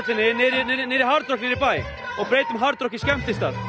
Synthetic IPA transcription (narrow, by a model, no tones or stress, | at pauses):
sɪnɪnɪɾnɪɾɪɦaɾt̪ɾɔknɪɾɪpaj | ɔɣpɾeːjt̪ʏmɦaɾt̪ɾɔkiskɛm̥t̪ɪst̪a̰ð